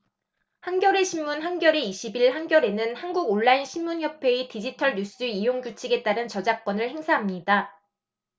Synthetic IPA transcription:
hanɡjʌɾe̞ɕʰimmunɦanɡjʌɾeiɕʰibiɭhanɡjʌɾe̞nɯnhanɡuɡoɭːainɕʰinmunçjʌpʰe̞itid͡ʑitʰʌɭɲus͈ɯijoŋd͡ʑut͡ɕʰiɡe̞t͈aɾɯnt͡ɕʌd͡ʑak͈̚wʌnɯɭhe̞ŋsʰaɦamɲida

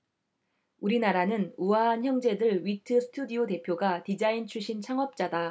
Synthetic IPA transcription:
uɾinaɾanɯnuaançjʌŋd͡ʑe̞dɯɭɥitʰɯsʰɯ̥tʰudiote̞pʰjoɡatid͡ʑaint͡ɕʰuɭɕ͈ʰint͡ɕʰaŋɦʌp̚t͡ɕ͈ada

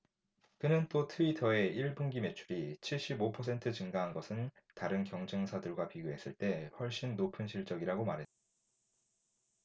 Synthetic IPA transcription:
kɯnɯnt͈otʰɯitʰʌe̞iɭbuŋɡime̞t͡ɕʰuɾit͡ɕʰiɭɕ͈ibopʰʌsʰe̞ntʰɯt͡ɕɯŋɡaɦanɡʌsʰɯn | taɾɯnkjʌŋd͡ʑeŋsʰadɯɭɡwapiɡjoɦe̞s͈ɯɭt͈e̞ɸwʌɭɕ͈inːopʰɯnɕʰiɭt͡ɕ͈ʌɡiɾaɡomaɾɦe̞t͈̚ḁ

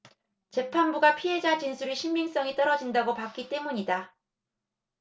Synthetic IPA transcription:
t͡ɕe̞pʰanbuɡapʰiɦe̞d͡ʑat͡ɕinsʰuɾiɕʰimːiŋs͈ʌŋit͈ʌɾʌd͡ʑindaɡopak͈it͈e̞muɲida

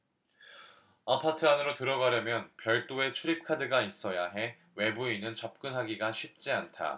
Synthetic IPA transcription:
apʰatʰɯanɯɾotɯɾʌɡaɾjʌmjʌnpjʌɭt͈oe̞t͡ɕʰuɾip̚kʰadɯɡais͈ʌjaɦe̞ | we̞buinɯnt͡ɕʌp̚k͈ɯnɦaɡiɡaɕʰɥip̚t͡ɕ͈iantʰa̰

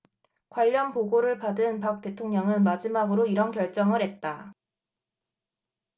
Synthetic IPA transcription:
kwaʎːʌnpoɡoɾɯɭpadɯnpak̚t͈e̞tʰoŋɲʌŋɯnmad͡ʑimaɡɯɾoiɾʌnkjʌɭt͡ɕ͈ʌŋɯɾɦe̞t̚t͈a

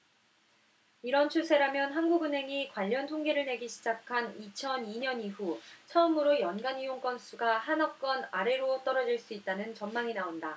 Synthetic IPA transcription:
iɾʌnt͡ɕʰusʰe̞ɾamjʌnɦanɡuɡɯnɦe̞ŋikwaʎːʌntʰoŋɡeɾɯɭne̞ɡiɕʰid͡ʑakʰanit͡ɕʰʌniɲʌniɸut͡ɕʰʌɯmɯɾojʌnɡanijoŋk͈ʌns͈ʰuɡahanʌk̚k͈ʌnaɾe̞ɾot͈ʌɾʌd͡ʑiɭs͈uit̚t͈anɯnt͡ɕʌnmaŋinaonda

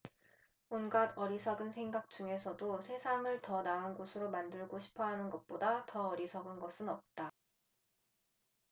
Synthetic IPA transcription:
onɡadʌɾisʰʌɡɯnsʰe̞ŋɡak̚t͡ɕ͈uŋe̞sʰʌdosʰe̞sʰaŋɯɭtʌnaoɯnɡosʰɯɾomandɯɭɡoɕʰi̥pʰʌɦanɯnɡʌt̚p͈odatʌʌɾisʰʌɡɯnɡʌsʰɯnʌp̚t͈a

